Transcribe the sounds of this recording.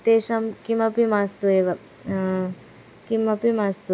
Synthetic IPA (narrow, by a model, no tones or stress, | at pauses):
t̪eːʃɐmkimɐpimast̪ueʋɐ | kimɐpimast̪u